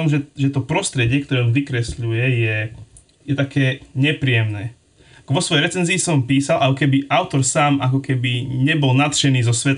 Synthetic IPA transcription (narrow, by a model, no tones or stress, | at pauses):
ɔmʒɛʒɛt̪ɔpɾɔst̪ɾɛɟɪɛkt̪ɔɾɛɔmʋikɾɛsʎujɛjɛ | jɛt̪akɛːɲɛpɾiːjɛmnɛː | kʋɔsʋɔjɛjɾɛt͡sɛnziːsɔmpiːsalʔakɔkɛbiʔaʊt̪ɔɾsaːmʔakɔkɛbiɲɛbɔlnat̪ʃɛniːzɔsʋɛt̪